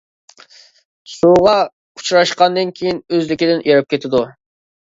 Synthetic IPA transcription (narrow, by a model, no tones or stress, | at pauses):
suʁɑ | kʰu̥t͡ʃɾɑʃqɑnd̪ɨnkʲʰejinøzlɪkʲid̪ɪnjeɾɪp̚kʲʰet̪ʰɪd̪u